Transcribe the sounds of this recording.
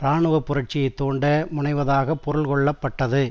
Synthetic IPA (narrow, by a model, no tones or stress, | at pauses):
ɾaːɳɯʋɐpːʊɾɐʈ̚t͡ʃɪjɐɪt̪ːoːɳɖɐmʊɳɐɪʋɐðaːɣɐpːɔɾɯlkɔɭːɐpːɐʈːɐðɯ